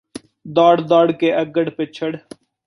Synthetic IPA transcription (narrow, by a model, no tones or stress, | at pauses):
d̪ɔːɽd̪ɔːɽkeːʔəɡəɽpɪt͡ʃʰəɽ